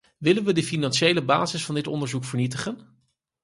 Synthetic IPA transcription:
ʋɪlənʋədəfinɑnʃejləbaːzɪsfɑndɪtɔ̰ndəɹzukfəɹnitəχən

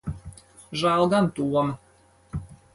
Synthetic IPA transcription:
ʒalˠɡ̪ant̪uɔm

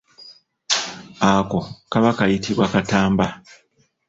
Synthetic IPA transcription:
ako̞kaβakajitiβwakataːmba

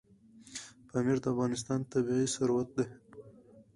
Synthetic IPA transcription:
pamiɾd̪əafɣɑnɪs̬t̪ɑnt̪abiʁisaɾwat̪̚d̪e

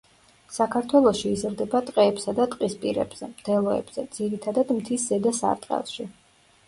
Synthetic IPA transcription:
sakʰaɾt̪ʰwɛlˠɔʃiːzɾd̪ɛbat̪ʼqʼɛːpsad̪at̪ʼqʼispʼiɾɛ̰b̥z̥ɛmd̪̥ʰɛlˠɔɛ̰b̥z̥ɛd̪z̥iɾit̪ʰad̪ad̪mt̪ʰiszɛd̪asa̰ɾt̪ʼqʼɛ̰lˠʃi

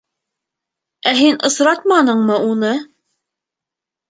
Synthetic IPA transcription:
æɦinʔɤ̆sɾɑt̪̚mɑnɤ̆ɴmɤunɤ

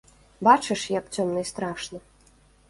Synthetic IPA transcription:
bat͡ʂɨʂjɐkt͡sʲɔmnɐjst̪ɾaʂnɐ

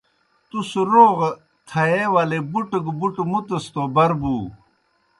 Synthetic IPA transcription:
t̪usɾoːʁ | t̪ʰɐeːwalebuʈəɡbuʈmut̪əst̪oːbɐɾbuː

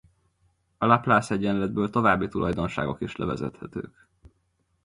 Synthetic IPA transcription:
ɒlaplaːsɛɟːɛnlɛd̪̚bøːlt̪o̞vaːbːit̪ulɒjd̪o̞nʃa̰ːɡo̞kiʃlɛ̰vɛ̰zɛ̰t̪hɛt̪ø̰ːk

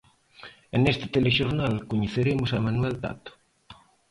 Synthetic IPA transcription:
enest̪ɪ̥t̪eleʃoɾnalkoɲeθeɾemʊsamanuɛlt̪a̰t̪ʊ̥

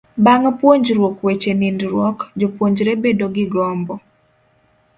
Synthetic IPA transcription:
baŋpwoɲd͡ʒɾwokwet͡ʃenindɾwɔkd͡ʒopwoɲd͡ʒɾebedoɡɪɡɔmbɔ

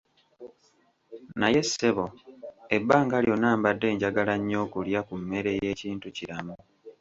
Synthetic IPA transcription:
naje̞sːe̞βo̞ebːaːŋɡaljo̞naːmbadːe̞ːɲɟaɡalaɲːo̞ːkuljakumːe̞ɾe̞je̞ːciːntuciɾamu

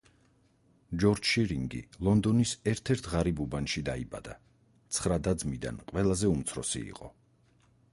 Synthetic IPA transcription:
d͡ʒɔɾd͡ʒʃiɾiŋɡḭlˠɔnd̪ɔnisɛɾt̪ʰɛɾt̪ʰʁaɾibubanʃid̪aiba̰d̪a | t̪sʰχɾad̪ad̪zmid̪a̰nqʼwɛlˠazɛumt̪sʰɾɔ̰sḭḭqʼɔ

